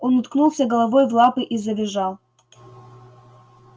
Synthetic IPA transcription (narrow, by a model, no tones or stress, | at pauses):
onʊt̪knulˠsʲɐɡɐlˠɐvojvlˠapɨʔizɐbʲɪʐɑlˠ